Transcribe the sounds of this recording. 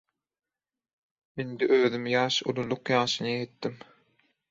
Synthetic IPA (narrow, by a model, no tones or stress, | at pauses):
mend̪iʔøːðymjɑːʃṵlˠulˠuqjɑːʃɯnɯjet̪ːim